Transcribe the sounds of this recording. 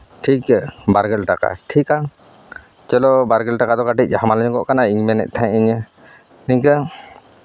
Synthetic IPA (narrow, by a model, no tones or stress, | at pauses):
ʈʰikbaɾɡɛlʈaka̰ʈʰika | t͡ʃɛlɔbaɾɡɛlʈakad̪ɔkaʈic̚ˀhamalɛɲkɔʔkanaiŋmɛnɛ̰ʔ̚ˀt̪ʰãiɲə | niŋkə